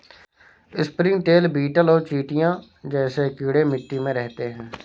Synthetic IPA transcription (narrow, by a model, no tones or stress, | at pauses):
ɪspɾɪ̃ŋɡʈeːlbiːʈəlɔːt͡ʃiːʈɪjãː | d͡ʒɛːseːkiːɽeːmɪʈːiːmẽːɾɛɦt̪eːɦɛ̃ː